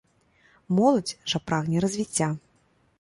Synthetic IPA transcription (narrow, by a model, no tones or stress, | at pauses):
mɔlˠɐd͡zʲʐapɾaɣnʲɛɾɐzʲvʲit͡sʲːa